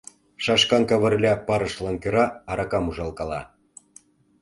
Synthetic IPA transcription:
ʃɑʃkɑnkɑβə̆rlʲɑpɑɾɤ̆ʃlɑnkøɾɑːɾɑkɑmuʒɑlˠkɑlɑ̰

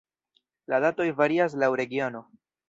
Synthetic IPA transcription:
ladato̞jvaɾias̬lawɾe̞ɡiono̞

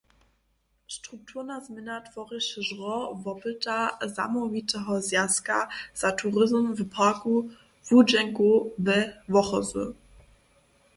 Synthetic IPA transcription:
ʃtʁ̥uk̚tʰuʁnazmɪnatvɔʁɪʃəʒʁɔvɔpətaza̰mɔvitʰɛɦɔzjaska̰z̥atʰuʁɪzmvəpʰaku | vud͡ʒɛŋkuvɛvɔχɔzṵ

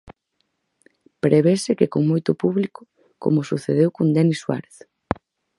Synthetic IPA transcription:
pɾeβesɪkekoŋmojt̪ʊpuβlikʊ | ko̰mʊsuθeð̞ewkond̪ɛniswa̰ɾeθ

